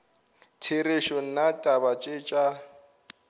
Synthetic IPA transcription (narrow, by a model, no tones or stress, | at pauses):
tʰeɾeʃɔn̩natʼabat͡ʃʼet͡ʃʼa